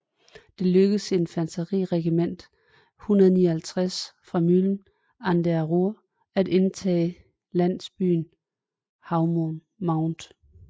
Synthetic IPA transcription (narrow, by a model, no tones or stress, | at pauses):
d̥e̝løɡ̥əð̩se̝nfænsɐʁḭʁɛɡ̥imen̰d̥ | hunɐðˠniɐhælt͡sʰʁasfʁɑ̈myln̩ | ænd̥eæʁuɐ | æd̥e̝nt͡sʰɛ̰ː | læn̰sb̥y̰ːn | hɑ̈ʊmon | mɑ̈ʊnd̥